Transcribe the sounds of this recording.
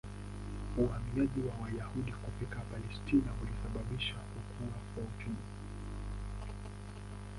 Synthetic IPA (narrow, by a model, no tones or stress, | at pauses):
uhamiaʄiwawajahuɗikupikapalɛstinaulisaɓaɓiʃakukʰuakwautumi